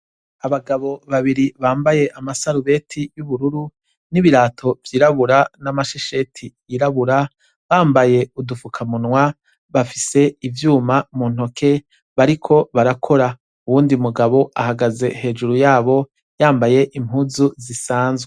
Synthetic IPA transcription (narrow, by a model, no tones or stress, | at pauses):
aβaɡaβo̞βaβiɾiβaːmbaje̞ʔamasaɾuβe̞tʰijuβuɾuɾu | niβiɾaːtʰo̞vjiːɾaβuɾanamaʃeʃe̞tʰijiɾaβuɾa | βaːmbaje̞udufukʰamunwa | βafise̞ivjuːmamuːnho̞kʰe̞ | βaɾikʰo̞βaɾakʰo̞ɾa | uwuːndiumuɡaβo̞ahaɡaze̞he̞ːd͡ʒuɾujaːβo̞ | jaːmbaje̞ʔimhuzuzisaːnzwe